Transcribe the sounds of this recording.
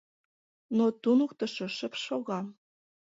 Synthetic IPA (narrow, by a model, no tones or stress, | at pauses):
not̪unukt̪ɤ̆ʃoʃə̆pʃoɣɑm